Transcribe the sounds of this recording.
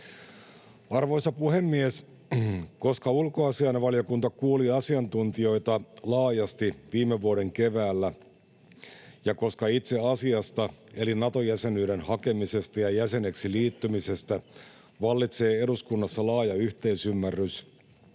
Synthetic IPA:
ɑrʋo̞isɑpuhe̞mːies | ko̞skɑulkoɑsiɑjnʋɑljo̞kunt̪ɑkuoliɑsiɑnt̪unt̪io̞ijt̪ɑlɑːjɑst̪iʋiːmːeʋːuoɾe̞ŋkeʋæːlːæ | jɑko̞skɑit̪se̞ɑsiɑst̪ɑe̞linɑt̪o̞jæse̞nyːɾenhɑke̞mise̞st̪ɑjɑjæse̞ne̞ksiliːt̪ːymise̞st̪æ | ʋɑlːit̪se̞ːe̞duskunːɑsːɑlɑːjɑyht̪e̞isymːærːys

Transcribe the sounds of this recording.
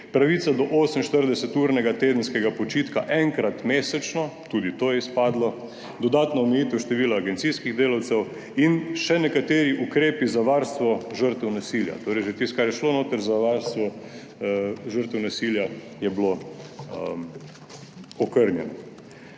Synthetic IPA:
pɾaʋit̪sad̪ɔʔoːsəmʃt̪əɾd̪ɛsɛt̪uːɾnɛɡat̪eːd̪ən̩skɛɡapɔt͡ʃiːt̪kaʔɛŋkɾat̪meːsɛt͡ʃnɔt̪uːd̪it̪oːjɛispaːd̪lɔ | d̪ɔd̪aːt̪nɔɔmɛjiːt̪ɛwʃt̪ɛʋiːlaːɡɛnt̪siskiɣd̪eːlawt̪sɛw | inʃɛnɛkat̪eːɾiʔukɾeːpizaʋaːɾst̪ʋɔʒəɾt̪ɛwnasilja̰t̪oːɾɛjʒet̪ist̪kaɾjɛʃloːnoːt̪əɾzaʋaɾst̪ʋɔ | ʒəɾt̪ɛwnasilja | jɛbloəm | ɔkəɾnjɛ̰nɔ

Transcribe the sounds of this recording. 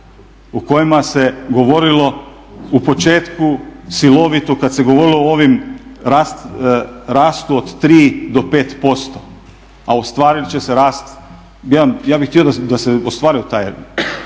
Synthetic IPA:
uko̞jimase̞ɡo̞ʋo̞ɾilo̞ | upo̞t͡ʃeːt̪kusilo̞ʋit̪ukad̪seɡoʋo̞ɾilooːʋimɾast̪ɾaːst̪uod̪t̪ɾiːd̪o̞pe̞ːt̪po̞st̪o | aost̪ʋaːɾilt͡ɕe̞seɾaːst̪ | ajaːbixt̪io̞d̪ad̪aseost̪ʋaːɾiot̪aːj

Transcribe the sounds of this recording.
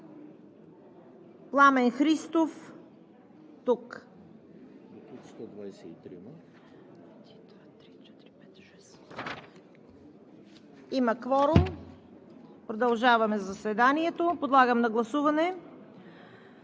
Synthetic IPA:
plˠamɛnxɾist̪of | t̪uk | st̪ɔd̪vajsɛḭt̪ɾḭm | t̪iɛt̪iɛt̪ | ɛs | imɐkvɔɾom | pɾod̪ɐlˠʒavɐmɛzɐsvɛd̪aniɛt̪opod̪lˠaɡəmnɐɡlˠɐsuvɐnɛ

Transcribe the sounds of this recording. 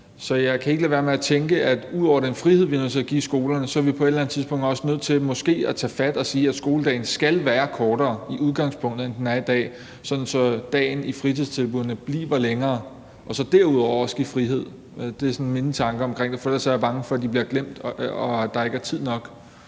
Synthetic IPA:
sɒ̽jɑ̈ɪkʰæe̝ɡ̥əlɛʋæːɐmeæt͡sʰeŋɡ̥əʔæd̥uð̰ˠɒ̰ʊ̰ɐd̥enfʁihe̝ð̞̰ˠʋinøð̰ˠt͡sʰe̝æɡ̥ḭsɡ̥o̝ːlɐnəsɒ̽æɐʋipʰɒ̽e̝d̥lænð̩ˠt͡sʰiðˠspʰɔ̽ŋ̰d̥ɒ̽sənøð̰ˠt͡sʰe̝lmɒ̽sɡ̥e̝̰ːæt͡sʰɛ̰ːfæd̥ɒ̽siːæd̥sɡ̥o̝ːləd̥ɛ̰ːɪn̩sɡ̥ælʋæːɐkʰɒːɾ̥ɐːiʔuðˠɡ̥ɑ̈ŋspʰɔ̽ŋ̰d̥ð̩ˠend̥enæd̥ɛ̰ː | sɒ̽d̥n̩sɒ̽d̥ɛ̰ːɪnifʁit͡sʰiðˠt͡sʰe̝lb̥uð̰ˠɐnəb̥lḭːʋɐleŋɐː | ʔɒ̽sɒ̽d̥æɐuðˠɒʊʊɐɒ̽sɡ̥ifʁiɦe̝ð̞̰ˠ | d̥e̝sɒ̽nme̝nət͡sʰɑ̈ŋɡ̥ɐɒ̽mkʰʁeŋ̰d̥efɒid̥ɑsjɐb̥ɑ̈ŋəfɒ̽æd̥ib̥liɐɡ̥lem̰d̥ɒd̥ɑ̈e̝ɡ̥æɐt͡sʰið̞̰ˠnɒ̽ɡ̥

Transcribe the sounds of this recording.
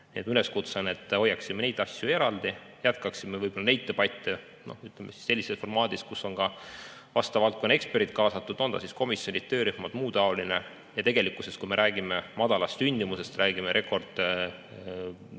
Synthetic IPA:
nʲḭet̪myle̞skut̪sene̞t̪ːˑo̞jːɑksimene̞jt̪ːˑɑsʲjue̞ɾɑld̪̥i | jæt̪kɑksimːevɯjbo̞lːɑne̞jt̪ːepɑjt̪ːˑe | no̞̰yt̪ˑlemːesi̥sːe̞lːisesfo̞rmɑːd̪̥iskusːo̞nkɑ | vɑst̪ɑvɑlt̪̚konːe̞ksperit̪̚ːˑkɑːsɑt̪ːˑud̪o̞nd̪ɑ̰sisko̞misjo̞nʲit̪t̪ːø̞ːɾyhmɑd̪muːt̪ɑoline | jɑt̪e̞ɡ̥e̞likːˑuse̞st̪kume̞ɾʔæːɡ̥ime̞mɑd̪̥ɑlɑst̪synʲd̪imuse̞st̪rʔæːɡ̥imeɾʔe̞ko̞rd̪̥

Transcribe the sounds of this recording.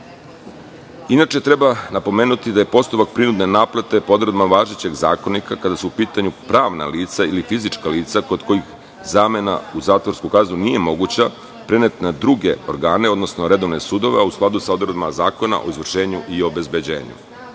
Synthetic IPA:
inat͡ʃe̞t̪ɾe̞banapo̞meːnut̪id̪aje̞po̞st̪upak̚pɾinud̪ne̞naːplat̪e̞pod̪ɾed̪maʋaːʒet͡ɕe̞ɡza̰ːko̞nikakad̪asuupiːt̪aɲupɾaːʋna̰liːt̪sailifizit͡ʂkaliːt̪sako̞d̪ko̞ix | zaːme̞na̰uzaːt̪ʋo̞ɾskukaːznunije̞mo̞ɡut͡ɕa | pɾenet̪nad̪ɾuɡe̞o̞ɾɡaːne̞o̞d̪nosnoɾe̞d̪o̞ʋne̞sud̪o̞ʋeusklˠad̪usaod̪ɾed̪mazaːko̞na̰ʔo̞̰izʋr̩ʃe̞ːɲuʔiobe̞zbe̞d͡ʑeːɲṵ

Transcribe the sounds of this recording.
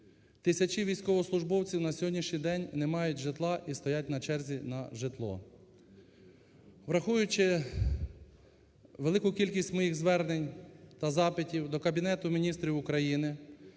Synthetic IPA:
t̪ɪsʲɐt͡ʃiʋʲijsʲkɔʋɔslˠʊʒbɔwt͡sʲiwnɐsʲɔɦɔdʲnʲiʃnʲijd̪ɛnʲnemɑjʊtʲʒet̪lˠɑʔist̪ɔjatʲnɐt͡ʃɛrzʲinɐʒet̪lˠɔ̰ | ʋɾɐxujʊt͡ʃɪ | ʋelˠɪkʊkʲilʲkʲisʲtʲmɔjiɣzʋɛrnenʲt̪ɐzɑpɪtʲiwd̪ɔkɐbʲinɛt̪ʊmʲinʲist̪ɾʲiwʊkɾɐjinɪ

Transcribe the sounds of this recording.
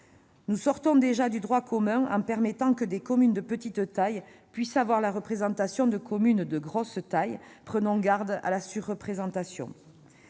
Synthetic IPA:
nusɔʁt̪ɔ̃d̪eʒad̪yd̪ʁwakʰɔmɛ̃ɑ̰̃pɛʁmet̪ɑ̃kəd̪ekɔmynd̪əpət̪it̪t̪ajpɥisavwaʁlaʁəpχezɑ̃t̪asjɔ̃d̪əkʰɔmynd̪əɡʁɔst̪ajpχənɔ̃ɡaʁd̪a̰lasyʁːəpχezɑ̃t̪asjɔ̰̃

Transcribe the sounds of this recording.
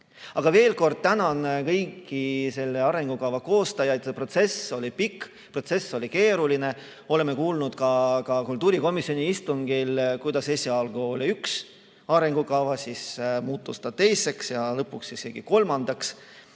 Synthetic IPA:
ɑɡ̥ɑve̞ːlko̞rd̪̥̚t̪ænɑnkɤjkːˑise̞lːe̞ɑɾe̞ŋɡ̥ukɑwvɑko̞ːst̪ɑjɑjd̪̥sepro̞t̪se̞so̞lʲipikː | pro̞t̪se̞sːo̞lʲike̞ːɾuline̞ | o̞le̞mːe̞kuːlnud̪̥kɑkɑkult̪uːɾiko̞misionʲiist̪uŋɡ̥ilkujd̪̥ɑse̞sʲiɑlɡ̥uolʲiyks | ɑɾe̞ŋɡ̥ukɑwvɑsismuːt̪ˑːust̪ɑ̥t̪e̞jse̞ksjɑlɤpːuksiseɡ̥iko̞lmɑnd̪̥ɑks

